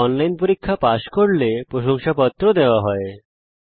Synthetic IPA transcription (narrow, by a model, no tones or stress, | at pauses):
ɔnlajnpoɾikʰːapaʃkoɽlepɾoʃoŋʃapɔt̪ːɾod̪eoaɦɔe